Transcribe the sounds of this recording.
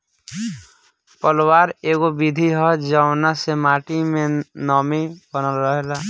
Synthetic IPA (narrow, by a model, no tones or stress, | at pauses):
pəlwaːɾeːɡobid̪ʱiɦɔd͡ʒaʊnasemaːʈimẽnɔːmibənəlɾəɦela